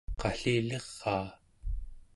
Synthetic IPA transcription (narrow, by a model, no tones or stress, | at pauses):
qɑɬiːleʁːɑː